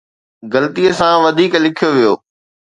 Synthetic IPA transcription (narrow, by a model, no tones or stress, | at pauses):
ɡɐlət̪ijəsãʋɐd̪ʱiːklɪkʰijoʋijoː